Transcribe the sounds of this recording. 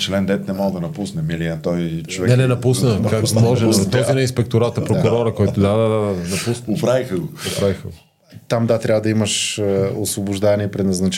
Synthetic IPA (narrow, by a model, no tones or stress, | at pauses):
t͡ʃlɛnd̪ɛt̪nɛmɔd̪ɐnɐpusnɛmiliat̪ɔjt͡ʃovɛnɛnɛnɐpusnəkakmɔʒɛt̪ɔzinɛinspɛk̚t̪ʊɾat̪ɐpɾokʊɾɔɾəkɔjt̪ʊd̪ad̪ad̪ad̪nɐpusopɾavixəɡʊopɾavixəɡo | t̪amd̪at̪ɾʲavəd̪ɐiməʃosvobʊʒd̪avniɛpɾɛnɐznɐt͡ʃ